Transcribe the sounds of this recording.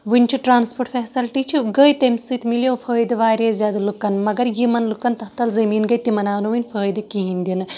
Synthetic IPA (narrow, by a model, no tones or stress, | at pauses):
ʋɨnʲt͡ʃʰiʈɾaːnspoʈfeːsɐlʈit͡ʃʰiɡəjt̪ɐmʲsɨt̪miljowfʰəːjd̪ɨʋaːɾʲezʲjad̪lukɐnmɐɡɐɾjimɐnlukɐnt̪ɐht̪ɐlzɐmiːnɡɐjt̪imɐnaːnuʋɨnʲfʰəːjd̪ɨkiɦinʲd̪ʲinɨ